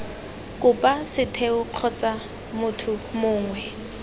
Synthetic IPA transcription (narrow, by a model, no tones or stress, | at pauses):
kʼʊpʼasɪtʰeʊq͡χʰɔt͡sʼa | mʊtʰʊmʊːŋwɛ